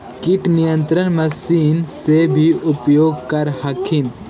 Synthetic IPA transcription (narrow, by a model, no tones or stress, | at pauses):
kiʈnijə̃nt̪ɾənmɐsiːnsebʱiʔʊpjoːɡ̚kɐɾɦɐkʰin